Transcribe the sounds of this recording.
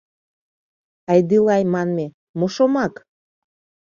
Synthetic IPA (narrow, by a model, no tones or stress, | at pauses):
ɑjd̪ilɑjmɑnme | moʃomɑk